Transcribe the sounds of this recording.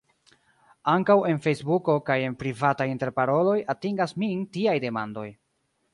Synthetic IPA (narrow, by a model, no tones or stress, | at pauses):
aŋkawe̞nfe̞jsbuko̞kaje̞npɾivatajinte̞ɾpaɾo̞lo̞jatiŋɡasmintiajde̞ma̰ndo̞̰j